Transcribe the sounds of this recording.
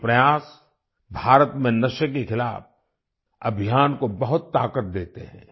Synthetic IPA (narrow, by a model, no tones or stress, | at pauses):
pɾɐjaːs | bʱaːɾət̪mẽnɐʃəkexʰɪla̰ːf | ɐ̰bʱɪjaːnkobɐɦʊt̪ːaːkət̪̚d̪eːt̪ḛɦɛ̃ː